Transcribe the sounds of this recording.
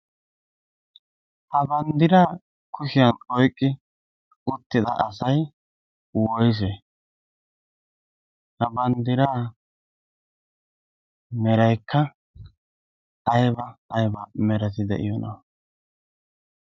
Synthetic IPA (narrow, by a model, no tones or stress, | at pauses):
hɐbɐnd̪ɪɾaː | kʊʃɪjɐnɔjkʼːɪ | ʊt̪ːɪd̪ɐ̰ʔɐsɐj | wɔjs̬ɛ | hɐbɐnd̪ɪɾaː | mɛɾɐjkʰːɐ | jbɐːjbɐmɛɾɐt̪̬ɪd̪ɛ̰ʔɪ̰jɔnɐ